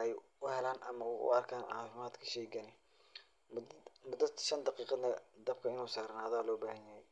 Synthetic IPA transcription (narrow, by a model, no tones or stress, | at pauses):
ʔɛj | ʊhɛlaːnʔɐ̰mɐʊʔʊ̰ɐrkʰaːnʕɑ̰ːfɪmaːd̪kʰɐ̥ʃɛːɡɐnɪ | md̪mʊd̪ɐd̪ʃɐnd̪ɑqiːqɑnɐd̪ɐb̚kʰɐɪnuːsaːɾnahɐðaːlɔːbaːhɐnjɐhɛj